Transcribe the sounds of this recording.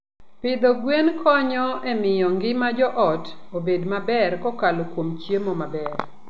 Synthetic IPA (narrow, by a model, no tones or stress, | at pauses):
pɪd̪ɔɡwenkʰɔɲɔɛmɪjɔŋɡɪmad͡ʒɔʔɔtobedmabɛrkɔkalokwomt͡ʃjemɔmabɛr